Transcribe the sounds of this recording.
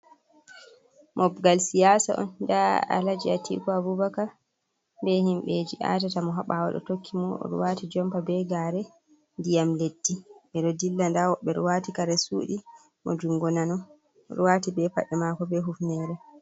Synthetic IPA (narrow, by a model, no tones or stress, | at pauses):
mʔɔbɡalsijasa̰ʔɔ̰ndaa̰lad͡ʒiatḭkɔabubaka | bɛhimɓed͡ʒiʔa̰tatamɔɦaɓawɔ̰ɗɔ̰tokʰːimɔ̰ɾṵwatid͡ʒɔmpabɛɡaːɾɛ | ndijamletːiɓɛɗɔdilːandawɔɓɛɾuwatikaɾɛsṵːɗi | mɔ̰d͡ʒuŋɡɔnanɔ | ɾṵwatibɛpa̰ɗɛmakɔbɛɦufnɛɾɛ